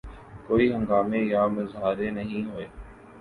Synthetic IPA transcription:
koːiːɦə̃ŋɡaːmeːjaːmɪzɦaːɾeːnəɦĩːɦoːeː

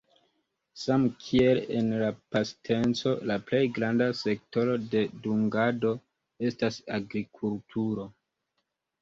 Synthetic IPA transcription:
samkʰie̞lḛnlapastʰe̞nt͡so̞laple̞jɡɾandase̞k̚to̞ɾo̞de̞duŋɡado̞ | e̞stasaɡɾikʰultʰuɾo̞

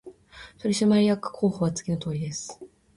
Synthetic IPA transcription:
t̪o̞ɾʲiɕimaɾʲijakːɯ̥kʰo̞ːhoβat͡sɨ̥ɡʲino̞t̪o̞ːɾʲid̪e̞sɨ̥

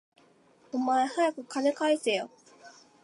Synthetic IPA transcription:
omae̞hajakɯ̟kanekaisejo

